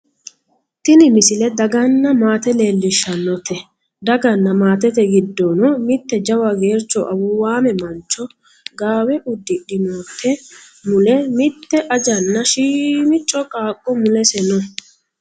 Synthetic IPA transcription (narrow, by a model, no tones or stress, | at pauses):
t̪ɪnɪmɪsɪlɛd̪ɐɡɐnːɐmaːt̪ɛle̞ːlːɪʃːɐnːɔt̪ɛ | d̪ɐɡɐnːɐmaːt̪ɛt̪ɛɡɪd̪ːɔnɔmɪt̪ːɛd͡ʒɐwɐɡe̞ːɾt͡ʃːɔʔɐwʊwaːmɛmɐnt͡ʃːɔ | ɡaːwɛʔʊd̪ːɪɗɪnoːt̪ʰːɛ | mʊlɛmɪt̪ːɛʔɐd͡ʒɐnːɐʃiːmɪt͡ʃʼːɔkʼaːkʼːɔmʊlɛsɛnɔ